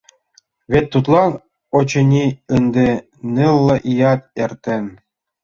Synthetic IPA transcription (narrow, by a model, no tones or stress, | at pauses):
βʲet̪ːut̪lˠɑn | ot͡ɕɤ̆nʲiɯnd̪ʲe | nʲɯlˠːɤ̆ʔijɑt̪erʲt̪ʲĕn